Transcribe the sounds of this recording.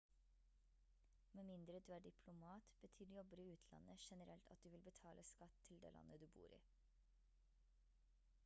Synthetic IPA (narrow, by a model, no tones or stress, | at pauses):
meːmɪnd̪ɾəd̪ʉːæːɖɪpʰlʊmɑːt̪b̥ət̪ʰyːɖjɔbəɾɪʉːt̪ʰlɑ̰nəʃɛnəɾɛlt̪ʰɑt̪̚d̪ʉːʋɪlbət̪ʰɑːlʔəskɑt̪ʰːɪld̪ḛːlɑ̰nːʔəd̪ʉːbṵːɾʔḭː